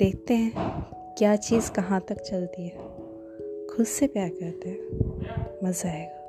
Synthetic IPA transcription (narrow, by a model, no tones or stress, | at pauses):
d̪̥eːk̚ʰt̪eɦɛ̃ | kjaːt͡ʃiːzkɐɦãt̪ɐkt͡ʃɐlt̪iɦɛː | kʰʊd̪sepjaːɾkɐɾt̪eɦɛ̃ | mɐzaːeːɡaː